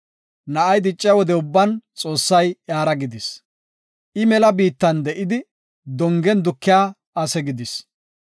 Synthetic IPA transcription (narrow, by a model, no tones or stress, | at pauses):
nɐʔɐjd̪ɪt͡ʃʼːɪjwɔd̪ɛʊbːɐnt͡sʼo̞ːsːɐjjaːɾɐɡɪd̪ɪs | ʔɪmɛlɐbiːt̪ːɐnd̪ɛʔɪd̪ɪ | d̪ɔŋɡɛnd̪ʊkːɪjaː | ɐsɛɡɪd̪ɪs